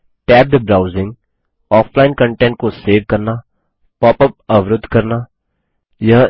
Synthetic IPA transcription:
ʈɛːp̚d̪əbɾaːʊzɪ̃ŋɡ | ɔːfʰlaːɪnkə̃ɳʈɛ̃ɳʈ̚koseːʋkɐɾna | pɔːpəp̚ɐʋɾʊd̪ʱkɐɾna | jɐɦ

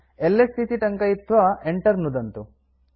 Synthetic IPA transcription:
elːest̪ʰit̪iʈɐŋkɐjit̪ːʋɐeɳʈɐɾnud̪ɐnt̪u

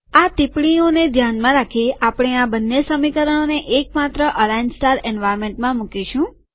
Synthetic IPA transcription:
at̪ipɽioned̪ʱjanmãɾakʰiapɽ̃eabənːesəmikəɾəɽ̃oneʔek̚mat̪ɾəʔəlansʈaɾɛnʋajɾmẽɳʈmãmukiʃũ

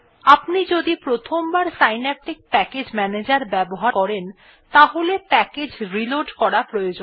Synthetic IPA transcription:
apnid͡ʑod̪ipɾot̪ʰombaɾsajnɛʈik̚pɛked͡ʑmɛned͡ʑaɾbɛboɦakɔɾen | t̪aɦolepɛked͡ʑɾiloɖkɔɾapɾojod͡ʑ

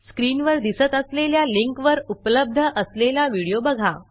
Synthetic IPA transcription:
skɾiːnʋəɾd̪isət̪əsleljaliŋkʋəɾupləb̚d̪ʱəʔəslelaʋiɽijobəɡʱa

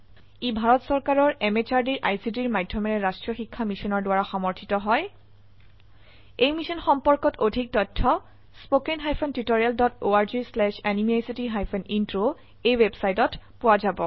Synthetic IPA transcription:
ibʱaɹɔtsɔɹkaɹɔɹemet͡ʃaɹdiɹʔajsidiɹmajdʱjɔmɛɹɛɹastɹɔxikʰːamisɔnɔɹdʊwaɹaxɔmɔɹtʰitɔɦɔj | ejmisɔnxɔmpɔɹkɔtodʱik̚tɔtʰːɔ | spokenɦajpʰɔntitoɹialdɔtoaɹzislɛʃanimiajsitiɦajpʰɔnintɹo | ejwebsajtɔtpʊwazabɔ

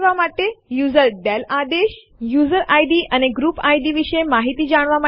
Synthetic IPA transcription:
ʋamaʈ̪ːejuzəɾɖɛlad̪eɕ | juzəɾʔajɖiːʔañeɡɾuːpajɖiːʋiʂəjmaɦit̪iːd͡ʑaɽ̃ʋama

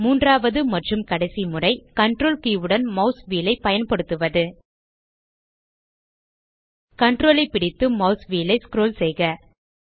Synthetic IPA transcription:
muːndraːʋɐðɯmɐʈrɯmkɐɽɐɪsimɯrɐɪkɐɳʈroːlkiːʋɯɽɐnmɐʊsʋiːlɐɪpːɐjɐnpɐɽɯt̪ːɯʋɐðɯ | kɐɳʈroːlɐɪpːɪɽɪt̪ːɯmɐʊsʋiːlɐɪskɾoːlsɛjɣɐ

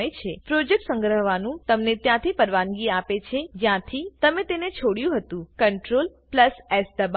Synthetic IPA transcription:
əjt͡ʃʰepɾod͡ʒek̚ʈsə̃ŋɡɾəɦʋanũt̪əmnet̪jãt̪ʰipəɾʋanɡiapet͡ʃʰed͡ʒjãt̪ʰit̪əmet̪enet͡ʃʰoɽjũɦət̪ũkəɳʈɾolpləsesd̪əb

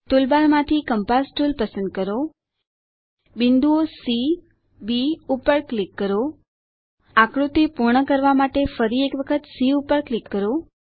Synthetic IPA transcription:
t̪ulbaɾmãt̪ʰikəmpasʈulpəsə̃nd̪̚kəɾo | bind̪uosi | biupəɾklikːəɾo | akɽut̪ipuɾɳəkəɾʋamaʈefəɾiekʋəkʰət̪siupəɾklikːəɾo

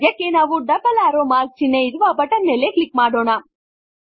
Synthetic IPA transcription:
jɐkeːnaʋuɖɐbɐlaːɾoːmaːɾt͡ʃineiɾuʋaːbɐʈɐnːeleklik̚maːɽoːna

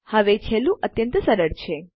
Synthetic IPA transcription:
həʋet͡ʃʰelːũʔət̪jənt̪əsəɾəɾt͡ʃʰe

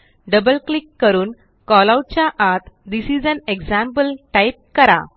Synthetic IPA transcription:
ɖəbəlklikːəɾuːn | kɔlawʈ̚t͡ɕjaʔat̪d̪isid͡zæneɡzæ̃mpəlʈajp̚kəɾa̰

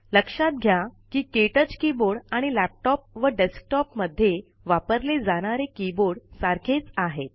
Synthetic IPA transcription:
ləkʂat̪̚ɡʱjakiːkeʈət͡skiboɽaɽ̃ilæp̚ʈɔp̚ʋəɖesk̚ʈɔpməd̪ʱːje | ʋapəɾled͡zaɽ̃aɾekiboɽsaɾkʰet͡saɦet̪̚

